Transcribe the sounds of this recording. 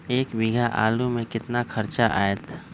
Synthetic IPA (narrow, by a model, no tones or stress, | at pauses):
eːkʋɪɡʱaʔa̰ːlumẽkɪt̪nakʰɐɾt͡ʃaʔaːjət̪